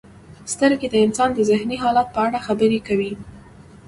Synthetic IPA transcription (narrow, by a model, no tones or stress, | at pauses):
st̪əɾɡed̪əɪnsɑnd̪əzɪhniɦɑlɑt̪̚pəaɽaxabəɾekawi